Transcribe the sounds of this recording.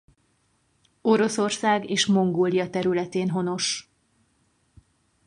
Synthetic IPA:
o̞ɾo̞so̞rsaːɡeːʃmo̞ŋɡoːlijɒt̪ɛɾylɛt̪eːnɦo̞no̞ʃ

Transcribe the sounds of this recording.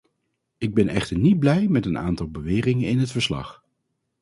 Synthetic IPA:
ɪɡ̚bɛnɛ̰χtəɹnid̚blɛjmɛtəna̰ːntɑlˠbəʋɪːrɪŋənɪnɦətfəɹslɑ̰χ

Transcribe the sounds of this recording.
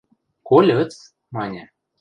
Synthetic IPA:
kolʲɤ̆t͡s | mɑnʲĕ

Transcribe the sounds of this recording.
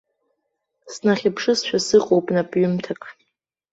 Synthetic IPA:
snaχʲɪpʰʂɨsʃᶣasɨqʼowpʼnapʼɥʊmtʰakʰʼ

